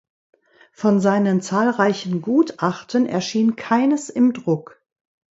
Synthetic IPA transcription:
fɔnzaɪnənt͡saːlʁaɪçn̩ɡuːtʔaχtənɛ̰ɐʃiːnkʰaɪnəsɪmdʁʊk

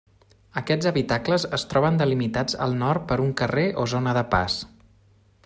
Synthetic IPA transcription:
əkɛd͡zəβit̪akləzəst̪ɾɔβənd̪əlimit̪ad͡zə̰lˠnɔrt̪̚pəɾuŋkəreʔozonəðəpa̰s

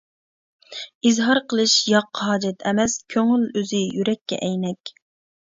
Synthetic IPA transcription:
izɦɑɾqʰəlˠɨʃjɑqːɑɦɑːd͡ʒɛt̪ʰɛmɛskʲʰøŋyløzɪjyɾɛkʲːɛ̰ʔɛjnɛkʲ

